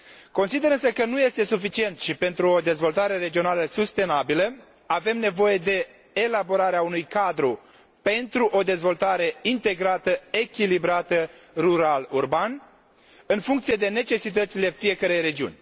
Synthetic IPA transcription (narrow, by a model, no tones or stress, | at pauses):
ko̞nsid̪e̞ɾɨns̬əkənuje̞st̪e̞sufit͡ʃie̞nt̪ʃipe̞nt̪ɾuo̞d̪e̞zvo̞lt̪aɾe̞ɾe̞d͡ʒio̞naləsust̪e̞nabilə | ave̞mne̞vo̞je̞d̪e̞ː | labo̞ɾaɾeaunujkad̪ɾu | pe̞nt̪ɾuʔo̞d̪e̞zvo̞lt̪aɾe̞int̪e̞ɡɾat̪əe̞kʲilibɾat̪əruɾalurban | ɨnfuŋkt̪sije̞d̪e̞ne̞t͡ʃe̞sit̪̬ət̪sile̞fije̞kəɾejɾe̞d͡ʒiṵnʲ